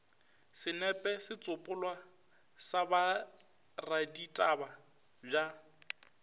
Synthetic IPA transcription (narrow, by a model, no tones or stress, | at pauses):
sɪnɛpʼɛsɪt͡sʼʊpʼʊlwa | saba | raditʼaba | b͡ʐa